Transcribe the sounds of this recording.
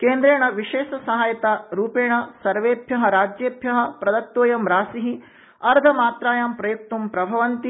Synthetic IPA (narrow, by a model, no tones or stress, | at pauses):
keːnd̪ɾeːɳɐʋiʃeːʃɐsɐɦaːjɐt̪aːɾuːpeːɳɐsɐɾʋeːbʱjɐɦɐ̆ɾaːd͡ʒjeːbʱjɐɦɐ̆pɾɐd̪ɐt̪ːoːjɐmɾaːsiɦi | ɐɾd̪ʱɐmaːt̪ɾaːjaːmpɾɐjuk̚t̪umpɾɐbʱɐʋɐnt̪i